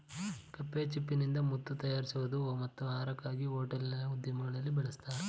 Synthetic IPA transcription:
kɐpːeːt͡ʃipːinind̪ɐmut̪ːut̪ɐjaːɾisuʋud̪umɐt̪ːuaːɾɐkːaːɡiɦoːʈɐlinɐud̪jɐmɐɡɐɭɐlːibɛɭɐst̪aːɾe

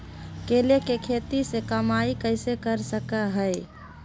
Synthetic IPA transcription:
kelekekʰet̪isekəmaikəɪsekəɾsəkəɦəj

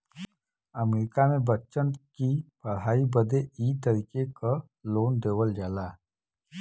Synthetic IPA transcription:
əmeɾɪkamẽbət͡ʃənkipəɽɦaːibəd̪eiːt̪əɾiːkeka | loːnd̪eːʋəld͡ʒaːlaː

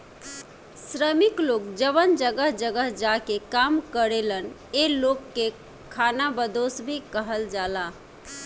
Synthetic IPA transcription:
sɾəmiklokd͡ʒəβənd͡ʒəɡəɦd͡ʒəɡəɦd͡ʒakekamkəɾelən | elokːe | kʰanabəd̪osbʱikəɦəld͡ʒala

